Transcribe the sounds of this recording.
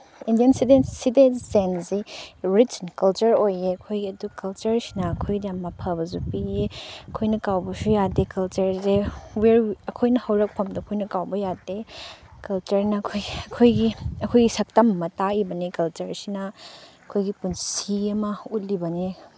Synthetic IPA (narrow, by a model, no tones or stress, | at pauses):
indijɐnsidensitezensiɾitnkɐlt͡ʃɐɾojeɐkʰojɡiɐdukɐlt͡ʃɐɾsi̥nɐːkʰojɡidjamːɐpʰɐbɐzupieɐkʰojnɐkawbɐsujadekɐlt͡ʃɐɾzeweɾɐkʰojnɐhɐwɾɐk̚pʰɐmdɐɐkʰojnɐkawbɐjadekɐlt͡ʃɐɾnɐkʰojɐkʰojɡiɐkʰojɡisɐk̚tɐmɐmɐtaibɐnikɐlt͡ʃɐɾsinɐɐkʰojɡipunsiɡɐmɐut̚libɐni